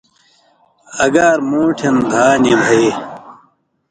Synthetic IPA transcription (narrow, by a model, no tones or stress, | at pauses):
ɐɡaːɾmoːʈʰend̪ʱaːnebʱɐeː